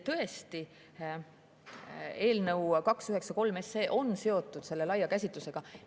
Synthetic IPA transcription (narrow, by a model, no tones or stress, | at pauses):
t̪ɤ̞e̞st̪i | e̞ːlnɤwkɑksyɦe̞ksɑko̞lme̞se̞ːʔo̞nse̞o̞t̪ːˑud̪̥se̞lːe̞lɑjːɑkæsʲit̪luse̞ɡ̥ɑ